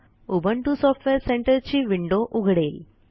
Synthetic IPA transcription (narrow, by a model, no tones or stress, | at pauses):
ʊbɐɳʈusɔːʈʋeɾseɳʈɐɾt͡ʃiʋɪɳɖoːʔʊɣɐɽɐl